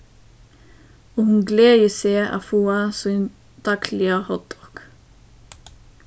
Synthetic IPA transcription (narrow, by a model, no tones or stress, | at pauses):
oːhʉnɡleːjəseːʔɑ̰ːfuːɑsɔn | t̪ʰɑkʰlɪəhɔt̪ɔk